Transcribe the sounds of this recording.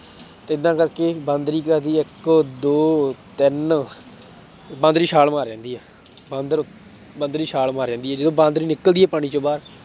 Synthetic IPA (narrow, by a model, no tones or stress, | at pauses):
t̪eːɪd̪ːãːkəɾkeːbə̃nd̪ɾiːkəɾd̪iːɪkːd̪oːt̪ɪn | bãːnd̪ɾiːʃaːlmaːɾɛ̃ːnd̪iːɛː | bə̃nd̪ɾ | bənd̪ɾiːʃaːlmaːɾɛ̃ːnd̪iːɛːd͡ʒɪd̪õːbãːnd̪ɾiːnɪkəld̪iːɛːpaːɽiːt͡ʃõːbaːɾ